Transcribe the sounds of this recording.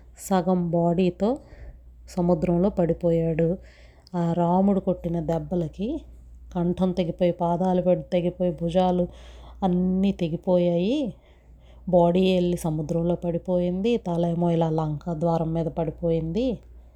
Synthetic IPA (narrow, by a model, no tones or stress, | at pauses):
sɐɡɐmbaːɽiːt̪o̞ː | sɐmud̪ɾɐmlo̞ːpɐɽipoːjaːɽu | aːɾaːmuɽukoʈːinɐd̪ɛbːɐlɐki | kɐɳʈʰɐmt̪eɡipoːjipaːd̪aːlupeɖut̪eɡipo̞ːjibʱud͡ʒaːluɐnːiːt̪e̞ɡipoːjaːji | baːɽiːeɭːisɐmud̪ɾɐmlo̞ːpɐɽipo̞ːjind̪it̪ɐlɐjɐmoːjilaːlɐŋkɐd̪ʋaːɾɐmːiːd̪ɐpɐɽipo̞ːjind̪i